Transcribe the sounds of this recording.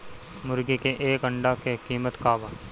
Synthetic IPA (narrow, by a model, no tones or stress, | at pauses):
mʊɾɡekeʔeːkɐɳɖakekiːmət̪kaːbaː